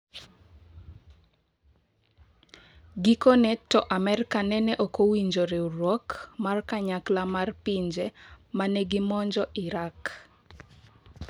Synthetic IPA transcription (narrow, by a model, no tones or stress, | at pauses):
ɡikonɛtɔʔamɛrkanɛnɛʔokowiɲd͡ʒoɾeuɾwɔkmarkaɲaklamarpiɲd͡ʒɛmanɛɡɪmɔɲd͡ʒɔʔɪɾak